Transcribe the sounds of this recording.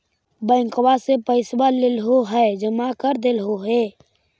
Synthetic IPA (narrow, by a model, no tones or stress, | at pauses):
bə̃ɪ̃ŋkwasepəɪswalelɦoɦɛd͡ʒəmakəɾd̪elɦoɦeː